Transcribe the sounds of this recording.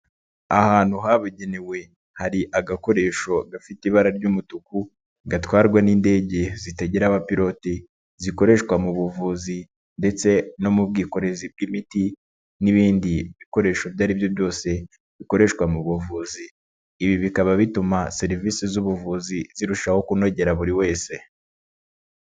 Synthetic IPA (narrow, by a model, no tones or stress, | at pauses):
ahaːn̥huɦaβuɟenewe̞ | haɾiʔaɡako̞ɾe̞ːʃo̞ɡafitiβaɾaɾɟumutuku | ɡatwaːɾɡwaniːnde̞ːɟe̞zite̞ɟeɾaβapiɾo̞ti | ziko̞ɾe̞ʃkwamuβuvuːzi | nde̞t͡se̞no̞mubɡiːko̞ɾe̞zib̚ɡimiti | niβiːndiβiko̞ɾe̞ːʃo̞vjaːɾibjo̞bjo̞ːse̞ | βiko̞ɾe̞ʃkwamuβuvuːziː | βiβikaβaβitumase̞ɾiviːsizuβuvuːziziɾuʃaho̞kuno̞ɟe̞ɾaβuɾiwe̞ːse̞